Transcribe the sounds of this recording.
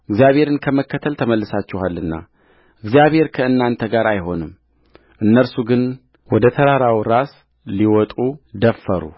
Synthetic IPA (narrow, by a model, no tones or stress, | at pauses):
ʔɨɡzjaβhe̞ɾɨnkʰəməkːət̪ʰəlt̪ʰəməlːɨsat͡ʃːɪhalːɨnːa̰ | ʔɨɡzijaβhe̞ɾkʰəɨnːant̪ʰəɡaɾajɦo̞nɨm | ʔɨnːəlsuɡɨn | wɔd̪ət̪ʰəɾaɾawɾas | liwɔt̪ʼud̪əfːəɾṵ